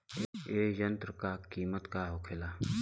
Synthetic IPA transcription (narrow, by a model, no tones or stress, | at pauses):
eːjənt̪ɾəkaːkiːmət̪kaːɦokʰɪlaː